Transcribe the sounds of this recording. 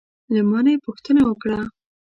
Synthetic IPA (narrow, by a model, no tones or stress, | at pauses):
lamɑnajepuxt̪ənawəkɽa